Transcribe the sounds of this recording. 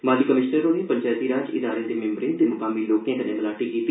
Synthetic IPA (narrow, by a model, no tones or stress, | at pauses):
maːliːkəmɪʃnəɾõːneːpəɲt͡ʃaːt̪iːɾaːd͡ʒɪd̪aːɾẽːd̪emẽmbɾɪ̃ːnd̪emʊkaːmiːloːkẽːkənẽbəlaːʈikiːt̪